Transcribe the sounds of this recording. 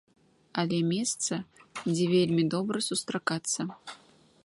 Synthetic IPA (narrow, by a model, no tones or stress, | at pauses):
alʲɛmʲɛst̪sɐd͡zʲɛvʲelʲmʲid̪ɔbɾɐsust̪ɾakat̪sːɐ